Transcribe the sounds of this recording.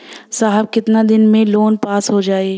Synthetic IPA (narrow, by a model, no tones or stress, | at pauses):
saːɦəb̚kɪt̪nad̪ɪnmẽloːnpaːsɦod͡ʒaːeː